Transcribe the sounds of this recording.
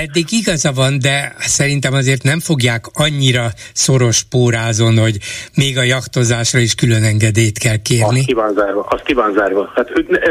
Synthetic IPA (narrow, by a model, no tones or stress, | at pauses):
ɛd̪ːiɡiɡɒzɒvɒnd̪ɛsɛɾin̪t̪ɛmɒzeːrt̪nɛɱfo̞ɡjaːkɒɲːiɾɒ | so̞ɾo̞ʃpoːɾaːzonho̞ɟmeːɡɒjɒkt̪o̞zaːʃrɒiʃkylø̞nɛŋɡɛd̪eːjt̪kɛlkeːrnikivaːnzaːɾʋɒʔɒst̪̚kivaːnzaːɾvɒhat̪ønɛ